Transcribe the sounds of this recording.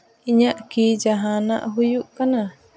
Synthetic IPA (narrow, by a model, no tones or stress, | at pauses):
iɲaʔkiːd͡ʒaɦana̰ʔɦujuʔkana